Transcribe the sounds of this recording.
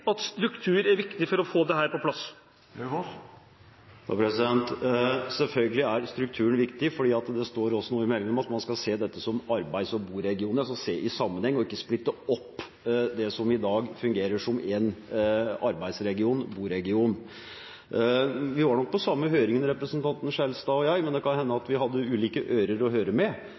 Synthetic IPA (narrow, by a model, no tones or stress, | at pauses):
ɑt̪st̪ɾʉkt̪ʰʉːɾæɾʋɪkt̪ɪfɔɾɔfoːd̪ɛhæːɾpɔpʰlɑs | pʰɾɛsɪd̪ɛnt̪sɛlfœlɡəlɪæɾst̪ɾʉk̚t̪ʰʉːənʋɪkt̪ɪfɔɖiːɑt̪d̪ɛst̪oːɾɔsːɔnuːəɪmɛlːɪŋnɔmɑt̪mɑnskɑlseːd̪ɛt̪ːəsɔmɑɾbæɪsɔbuːɾɛɡɪuːnəɾsɔseːʔɪsɑmːənhɛŋːɔɪkːəsplɪt̪ːəɔpː | d̪ɛsɔmɪd̪ɑːɡfʉŋɡeːɾəʂɔmɛn | ɑɾbæɪd̪sɾɛɡɪuːnbuːɾɛɡɪuːn | ʋɪʋɑɳɔk̚pɔsɑmːəɦøːɾɪŋənɾɛpɾəsənt̪ʰɑnt̪n̩ʂɛlst̪ɑːɔjɑɪmɛnd̪ɛkɑnhɛnːəɑt̪ʋɪhɑd̪ːəʉːliːkəʔœʏɾəɾɔɦøːɾəmɛ